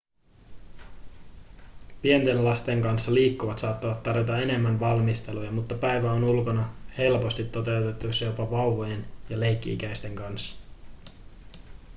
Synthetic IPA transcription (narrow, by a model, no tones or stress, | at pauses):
pie̞nt̪e̞nlɑst̪e̞ŋkɑnsːɑliːkːuʋɑt̪sɑːt̪ːɑʋɑt̪ːɑrʋjot̪ɑe̞ne̞mːænʋɑlmist̪e̞lujɑmut̪ːɑpæjʋæonulko̞nɑhe̞lpo̞st̪it̪ːo̞t̪e̞wt̪e̞t̪ːusɑjo̞pɑʋɑuʋoje̞njɑle̞jkːḭḭk̟æjst̪e̞ŋkɑnsːɑ̥